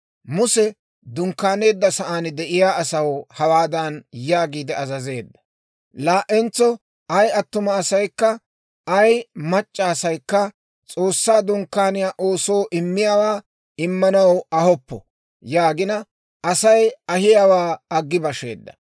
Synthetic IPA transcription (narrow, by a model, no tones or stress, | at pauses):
mʊsɛ | d̪ʊŋkːaːne̞ːd̪ːɐsɐʔaːnd̪ɛʔɪjaːɐsɐwhɐwaːd̪ɐnjaːɡiːd̪ɛɐzɐze̞ːd̪ːɐ̥ | laːʔɛnt͡sːɔ | ɐjɐt̪ːʊmɐːsɐjkːɐ | ɐjmɐt͡ʃʼːɐːsɐjkːɐ | t͡sʼo̞ːsːaːd̪ʊŋkːaːnɪjaːʔoːso̞ːʔɪmːɪjaːwaː | ɪmːɐnɐwɐhɔpːɔ̰ | jaːɡɪnɐ | ʔɐsɐjɐhɪjaːwaːɐɡːɪbɐʃe̞̰ːd̪ːɐ̥̰